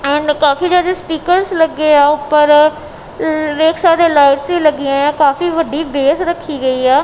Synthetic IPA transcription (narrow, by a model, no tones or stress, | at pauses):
ɛ̃ːɳɖkaːfiːd͡ʒaːd̪eːspiːkəɾsləɡeːaːʊpːəɾ | ʋeːkʰsaːɾeːlaːɪʈsʋiːləɡːɪjãːjãːkaːfiːʋəɖiːbeːsɾəkʰːiːɡəiːaː